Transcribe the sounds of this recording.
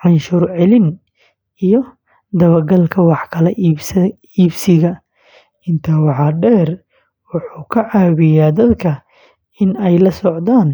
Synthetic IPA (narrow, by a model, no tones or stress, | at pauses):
ʕɑnʃʊrʕɛlɪn | ijɔ | d̪ɐβɐɡɐlkʰɐwɑħkʰɐlɛʔ | iːbsɪɣɐ | ɪnt̪ʰɐwɑħɑɖɛːr | wɑħuːkʰɐʕɑːβɪjaːd̪ɐd̪kʰɐ | ɪnɛjlɐsɔʕd̪aːn